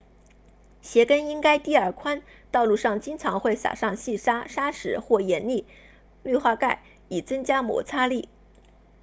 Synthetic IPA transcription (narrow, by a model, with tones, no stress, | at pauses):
ɕjɛ˧˥kə˥ni˥ŋka˥ɪt̪i˥˧ə˞˥˩kʰwa˥n | t̪ɑ˥˧ʊlu˥˧ʂɑ˥˩ŋt͡ɕi˥ŋt͡sʰɑ˧˥ŋxwe˥˩ɪsa̰˨˩ʂɑ˥˧ŋɕi˥˩ʂa˥ʂa˥ʂɻ̩˧˥xwɔ˥˩jɛ˧˥nli˥˩ | ly˥˧xwa˥˧ka˥˩ɪ | i˨˩t͡sɤ˥ŋt͡ɕja˥mwɔ̰˧˥t͡sʰa˥li˥˩